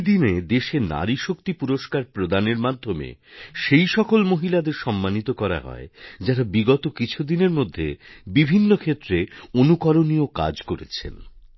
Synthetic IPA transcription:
d̪ined̪eʃena̰ɾiʃok̚t̪ipuɾoʃkaɾpɾod̪aneɾmad̪ʱːomḛʃejʃɔkolmoɦilad̪eɾʃɔmːanit̪okɔɾa̰ɦɔ̰ed͡ʑaɾabiɡɔt̪okit͡ɕʰud̪ineɾmod̪ʱːebibʱinːokʰet̪ːɾeonukɔɾonioka̰d͡ʑkoɾḛt͡ɕʰḛn

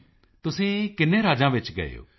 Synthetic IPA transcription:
t̪ʊsẽːkɪnẽːɾaːd͡ʒãːʋɪt͡ʃɡɐ̰ḛo̰ː

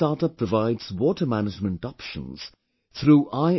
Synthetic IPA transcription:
ɑɹtʌpʰːɹ̥əvaɪdz̥wɔtə˞mænɨd͡ʒmə̃ntɑpʃə̰̃nz̥ | θɹuːʔaɪ

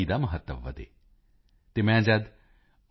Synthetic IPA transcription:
id̪amɐɦət̪ːəʋʋɐ̰t̪ḛː | t̪emɛ̃ːd͡ʒɐd̪

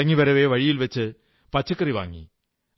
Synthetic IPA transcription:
ɐŋːiʋɐɾɐʋeʋɐɻijilʋɐt͡ɕːɨ | pɐt͡ɕːɐkːɐriʋa̰ːŋːḭ

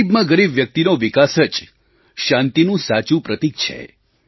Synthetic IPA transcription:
ibmãɡəɾibʋjək̚t̪inoʋɪkasət͡ʃ | ʃãnt̪inũsat͡ʃũpɾət̪ik̚t͡ʃʰḛ

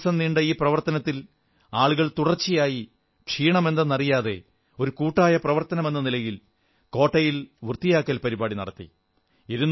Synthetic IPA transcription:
sɐmniɳɖɐiːprɐʋɐrt̪ɐnɐt̪ːil | aːɭuɣɐɭt̪uɽɐrt͡ɕːijaːji | kʂiːɳɐme̞nd̪ɐnːɐrijaːðe̞̰ | o̞ɾukuːʈːaːjɐprɐʋɐrt̪ɐnɐme̞nːɐnilɐjil | ko̞ːʈːɐjilʋurt̪ijaːkːɐlpɐɾibaːɽinɐ̰ɽɐt̪ːḭ | iɾunː

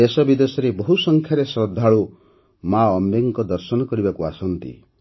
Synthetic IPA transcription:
esɔbid̪esɔɾebɔɦusɔŋkʰjaɾesɾɔd̪ʱːaɭu | maɔmbeŋkɔd̪ɔɾsɔnɔkɔɾibakuasɔnt̪ḭ

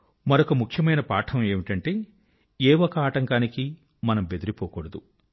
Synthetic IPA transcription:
mɐɾokɐmukʰjɐmɐjnɐpaːʈʰɐme̞ːmiʈɐɳʈe̞ː | eːwɔkɐaːʈɐŋkaːniki | mɐnɐmbed̪iɾipoːkoɽɐd̪u

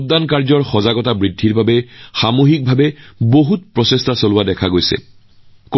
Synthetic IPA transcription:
tdankaɹzɔɹxɔzaɡɔtabɹidʱːiɹbʱabɛxamoɦik̚bʱabɛboɦutpɹɔsestasolʊwadɛkʰaɡojsɛ̰ | k

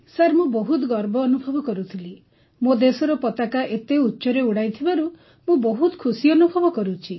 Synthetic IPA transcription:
saɾmũbɔɦut̪ɔɡɔɾbɔːnubʱɔbɔkɔɾut̪ʰili | mod̪esɔɾɔpɔt̪akaʔet̪eutːʃɔɾeuɽajt̪ʰibaɾu | mũbɔɦut̪ɔ̥kʰusiɔnubʱɔbɔkɔɾut͡ʃʰi

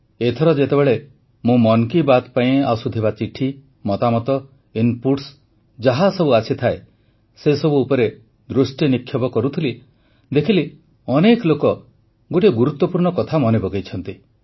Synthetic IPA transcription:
et̪ʰɔɾɔd͡ʒet̪ebeɭe | mũmɔnkibat̪paĩasud̪ʱibat͡ʃiʈʰi | mɔt̪amɔt̪ɔ | inpuʈs | d͡ʒaɦasɔbuasʰit̪ʰae | sesɔbuːpɔɾe | d̪ɾusʈjinikʰːjɔbɔkɔɾut̪ʰili | d̪ekʰili | ɔnekɔlokɔ | ɡoʈ̬iɡuɾut̪wːɔpuɾɳɔkɔt̪ʰamɔnebɔɡejt͡ʃʰɔnt̪i

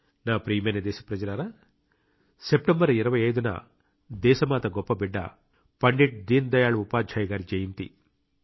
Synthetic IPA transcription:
naːpɾiːmeɐnɐd̪ɛːsɐ̥pɾɐd͡ʒɐlɐɾaː | sep̚ʈembɐɾiɾɐʋɐjɐjd̪unɐ̰ | d̪ɛːʃɐmaːt̪ɐɡɔpːɐbiɖːɐ̰ | pɐɳɖiʈ̚d̪iːnd̪ɐjaːɭuupaːd͡ʒʱaːjɡaːɾid͡ʒejint̪ḭ

